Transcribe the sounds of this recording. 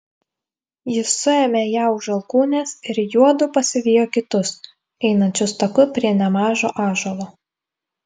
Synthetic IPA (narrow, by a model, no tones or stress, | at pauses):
jɪsːʊɛmʲeːjæːʊʒɐlˠkuːnʲeːsɪɾjuɔd̪ʊpɐsʲɪʋʲɪjoːkʲɪt̪ʊs | ɛɪnɐnʲt͡ʃʲʊst̪ɐkʊpʲɾʲiɛnʲɛmɑːʒoːʔɑːʒolˠoː